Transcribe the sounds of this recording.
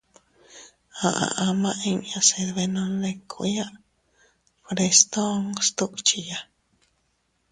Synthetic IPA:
a˨ʔa̰˨ʔa˧mã˦ʔi˧ɲja˧se˧d̪βe˧nõ˧nle˧kʰṵʔja˦ʔ | fɾe˧st̪o˦ŋst̪u˦kt͡ʃija

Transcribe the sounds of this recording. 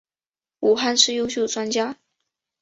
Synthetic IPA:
u˨˩xa˥˧nʂɻ̩˥˧jo˥ʊɕjo˥˩ʊʈ͡ʂwa˥nt͡ɕja˥

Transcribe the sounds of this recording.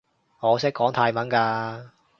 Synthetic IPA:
ŋɔː˨˧sɪ˥kːɔː˨˥ŋt̪ʰaː˧jmɐ˨˥nkaː˧

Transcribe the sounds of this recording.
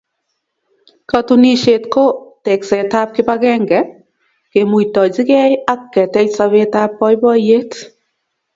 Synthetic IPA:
katuni˦ʃe˨tko˦tɛ˨ksɛ˨ta˦p̚kɪ˦pakɛ˦ŋɡɛ | ke˨mu˨jtɔ˨d͡ʒɪ˦kɛ˦ja˦kːɛ˨tɛ˦ksaβe˦tapːɔ˦jbɔ˦je˦t

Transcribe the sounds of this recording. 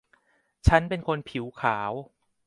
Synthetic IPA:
t͡ɕʰa˦˥npe˧nkʰo˧npʰi˩˦wkʰaː˩˦w

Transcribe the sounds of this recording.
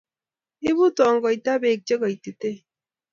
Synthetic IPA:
i˦bu˦tɔ˨ŋ˨ɡɔ˨i˨ta˦be˨k̚t͡ʃe˦kɔ˨i˨te˨te˦

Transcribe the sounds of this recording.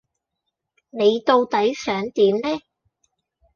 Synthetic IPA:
ne˨˧jt̪o˧wt̪ɐ˨˥jsœː˨˥ŋt̪iː˨˥mnɛː˥

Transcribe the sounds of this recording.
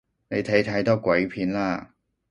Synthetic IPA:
ne˨˧jt̪ʰɐ˨˥jt̪ʰɐ˨˥jt̪ɔː˥kʷwɐ˨˥jpʰiː˨˧˥nlaː˥

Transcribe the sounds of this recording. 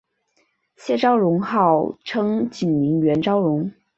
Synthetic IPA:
ɕjɛ˥˧ʈ͡ʂɑ˥ʊɻʊ˧˥ŋxɑ˥˩ʊʈ͡ʂʰɤ˥ŋt͡ɕi˨˩nmi˧˥ŋɥɛ˧˥nʈ͡ʂɑ˥ʊɻʊ˧˥ŋ

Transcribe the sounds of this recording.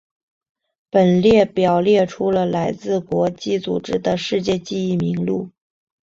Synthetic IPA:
pə˨˩nljɛ˥˩pjɑ˨˩ʊljɛ˥˩ʈ͡ʂʰu˧˥lə˧la˧˥ɪt͡sɹ̩˥˩kwɔ˧˥t͡ɕi˥˩t͡sṵ˨˩ʈ͡ʂɻ̩˥˩d̪ə˨ʂɻ̩˥˧t͡ɕjɛ˥˧t͡ɕi˥˧i˥˩mi˧˥ŋlu˥˩

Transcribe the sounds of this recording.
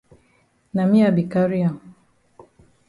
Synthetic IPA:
na˨mĩ˦a˨bi˨ka˦ɾi˦a˨m

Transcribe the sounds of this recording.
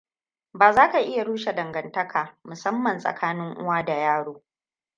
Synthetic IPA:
baː˨zaː˦ka˨ʔɪ˦ja˨ɽuː˦ʃe˨dɐ˨ŋɡɐ˨ntɐ˦kʰaː˨mʊ˨sɐ˦mːɐ˨nsʼɐ̰˨kʰaː˦nɪ˦ŋʔʊ̰˦waː˦da˨jaː˦ɽoː˦

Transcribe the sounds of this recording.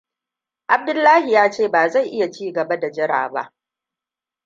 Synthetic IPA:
ʔa˨b̚dʊ˦lːaː˦hi˨jaː˦t͡ʃeː˦˨baː˨za˦˨jʔɪ˦ja˨t͡ʃiː˦ɡɐ˨ba˦da˨d͡ʒɪ˦ɽa̰ː˨ba̰˦ʔ

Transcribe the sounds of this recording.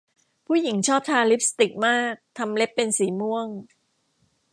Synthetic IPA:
pʰuː˥˩ji˩˦ŋt͡ɕʰɔː˥˩p̚t̪ʰaː˧li˦˥p̚st̪i˨˩k̚maː˥˩k̚t̪ʰa˧mle˦˥pːe˧nsiː˩˦mu˥˩əŋ

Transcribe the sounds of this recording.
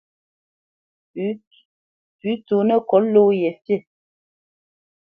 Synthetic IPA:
p | pʉ˨˦to˨nə˦kɔ˨˦llo˦jɛ˨fje˦˨

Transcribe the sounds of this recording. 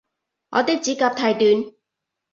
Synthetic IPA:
ŋɔ̰˨˧t̪ɪː˥k̚t͡siː˨˥kaː˧p̚t̪ʰaː˧jt̪yː˨˧n

